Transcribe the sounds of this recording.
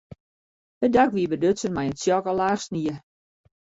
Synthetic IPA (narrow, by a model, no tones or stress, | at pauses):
ədakʋiəbədøsənmajətsjɔkəlaːχstniə